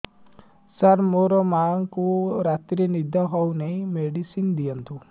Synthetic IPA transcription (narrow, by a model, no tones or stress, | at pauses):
səɾmoɾɔmaŋkuɾat̪ɾinid̪ʱɔɦɔwneimeɖisind̪ijənt̪ʰu